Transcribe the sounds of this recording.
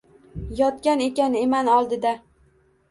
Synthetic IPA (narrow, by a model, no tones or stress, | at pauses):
jɒt̪kʲane̞kʲane̞manɒlˠd̪ɪd̪a